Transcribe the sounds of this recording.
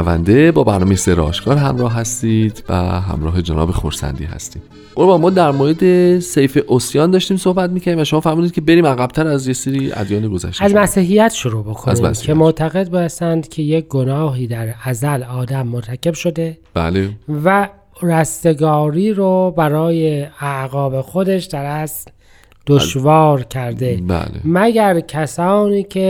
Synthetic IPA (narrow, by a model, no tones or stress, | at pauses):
væ̰nd̪e̞bɒːbæɾnɒːmejeseɾɒ̰ːʃkɒːɾɦæmɾɒːɦɦæst̪iːd̪væ̰ɦæ̰mɾɒːɦe̞d͡ʒenɒ̰ːbexo̰ɾsæ̰nd̪ḭːɦæ̰st̪i̥ː | olbɒmɒːd̪æɾmoːɾed̪e̞sejfeʔosjɒːnd̪ɒːʃt̪iːmso̞hbæt̪̚miːcʰæɾd̪imvæʃomɒːfæɾmud̪id̪̚cʰebe̞ɾiːmæɣæb̚t̪ʰæɾæzjeseːɾiːæ̰d̪jɒːniɡo̞zæ̰ʃt̪æzzmæsiːɦijæt̪ʃoɾuːbo̞kʰoænziːmæ̰ssicʰemot̪ʰæɣe̞d̪̚besænd̪cʲʰe̞jec̚ɡo̞nɒːɦiːd̪æɾæzælɒːd̪æmːoɾt̪ʰæce̞bʃo̞d̪e̞b̥æ̰levæ | ræst̪e̞ɡɒːɾiːɾobæɾɒːjeæʔɣɒːbe̞xod̪e̞ʃd̪æɾæsl | d̪̥oʃvɒːɾcʰæɾd̪e̞bæ̰lḛmæɡæɾcʰæsɒːniːcʰe̞